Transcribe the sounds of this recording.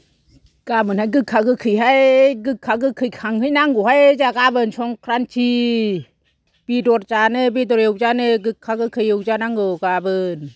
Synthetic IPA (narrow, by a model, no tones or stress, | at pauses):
kamɯnhajɡɯkʰakɯkʰɯjɦajɡɯkʰːaɡɯkʰːɯjkʰaŋhɯjnaŋɡoɦajt͡ʃakabɯnsʰɔŋkʰɾant͡ʃʰi | pidot̚t͡ʃanɯb̬it̪ɔɾewt͡ʃanɯɡɯkʰːakɯkʰːɯjɯwt͡ʃanaŋɡokabɯn